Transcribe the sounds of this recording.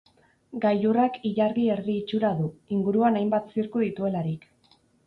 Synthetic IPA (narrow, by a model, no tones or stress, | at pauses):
ɡajurakiʎaɾðie̞ɾðiːt͡ʃuɾaðuiŋɡuɾuanajmbat̪siɾkuðit̪ue̞laɾik